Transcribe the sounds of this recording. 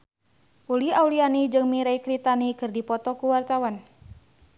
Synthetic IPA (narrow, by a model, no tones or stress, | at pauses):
ʔuliawlianid͡ʒɨŋmiɾajkɾit̪anikɨrdipɔt̪ɔkuwart̪awan